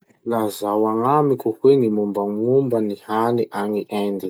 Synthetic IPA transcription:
lazawaŋamikuhweŋimumbaŋumbanihaniʔaŋiʔand̪i

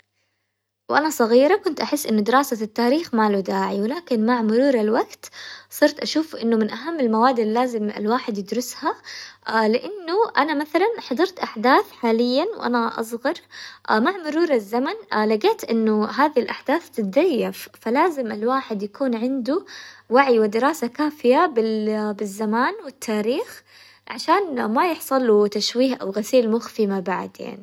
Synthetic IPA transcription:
wʔanasˤɑɣiːɾɑkʊnt̪ʔaħɪsːʔɪnːʊd̪ɪɾaːsat̪ːaːɾiːxmaːlud̪aːʕiwɪlaːkɪnmaʕmʊɾuːɾˤɑlwaɡt̪sˤɨɾt̪ʔaʃuːfʔɪnːʊmɪnʔaɦamːɪlmawaːd̪ɪlːaːzɪmɪ̰lwaːħɪd̪jɪd̪ɾʊsha | lɪʔanːʊʔanamaθalanħɑd̪ˤɑɾˤt̪ʔaħd̪aːθħaːlɪjːanwʔa̰naʔɑ̰sˤɣɑɾˤmaʕmʊɾuːɾˤɑzːamanlaɡeːt̪ʔɪnːʊɦaːðilʔaħd̪aːθt̪ɪt̪̚d̪ajːaffalaːzɪmɪlwaːħɪd̪jakuːnʕɪnd̪uwaʕiwɪd̪ɪɾaːsakaːfɪjabɪbɪzːamaːnwɪt̪ʰːaːɾiːx | ʕaʃaːnmajɪħsˤɑlt̪aʃwiːhʔa̰wɣasiːlmʊxfimabaʕd̪ja̰ʕni

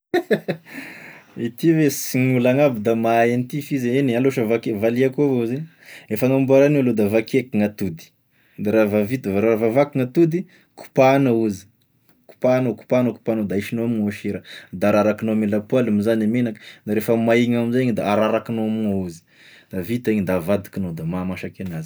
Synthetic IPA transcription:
it̪ivesiŋulaŋabid̪amaenit̪ifizeenealoʃəvakevaliakovouze | efaŋambuaɾanealod̪avakekiŋat̪ud̪i̥ | d̪aɾavavit̪vɾaavavakiŋat̪ud̪i | ku̥panauzi̥ | ku̥panaku̥panəku̥panod̪aiʃinoamuŋaʃeɾəd̪aaɾaɾakinomelapwalamizanamenakə̥d̪aɾefəmaiŋamizaɲd̪aaɾaɾakinoamuŋauzi̥ | d̪̥avit̪eɲid̪avad̪i̥kinod̪amamaʃakenazi

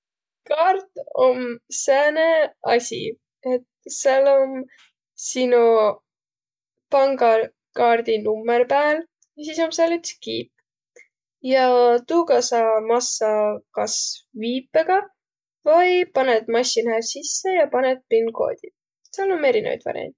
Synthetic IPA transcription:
kɑːrt̪omsæːneɑsʲḭ | et̪sɑlom | sinu | pɑŋɡɑ | kɑːrd̪̥inumːerpæːl | jɑsiːso̞mseɑlyt̪skiːpː | jɑt̪uːkɑsɑmɑsːɑkɑsviːpːeɡ̥ɑ | vɑjpɑnet̪mɑɕːinæsisːe̞jɑpɑnet̪̚pinɡo̞̰ːd̪̥ʲid̪̥̚ | sɑlːome̞ɾinḛv̰jt̪vɑ̰ɾḛn

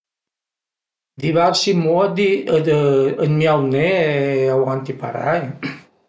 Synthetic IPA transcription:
d̪iβaɾsimod̪iəd̪əənmiawneawant̪ipa̰ɾa̰j

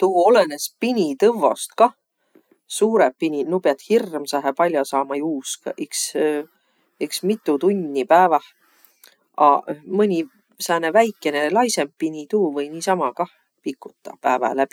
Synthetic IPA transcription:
t̪uuo̞lene̞spinʲit̪ɤvːo̞̰st̪̚kɑ | suːɾeppːinʲinupeɑt̪hirːmsɑɦepɑlʲjɑsɑːmɑjuːskɑʔiks | eksmit̪ːˑut̪unʲːipæːvɑh | ɑ̰mɯnʲi | sæːnevæjkːˑe̞ne̞lɑjse̞mpinʲit̪uːvɤjniːsɑmɑkɑh | pikːˑu̥t̪ˑːɑ̰pæːvæ̰læb̥i

